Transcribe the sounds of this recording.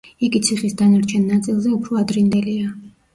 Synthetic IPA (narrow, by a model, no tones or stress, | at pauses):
iɡit̪sʰiχisd̪anaɾt͡ʃʰɛnːat̪sʼilˠzɛupʰɾɔad̪ɾind̪ɛlia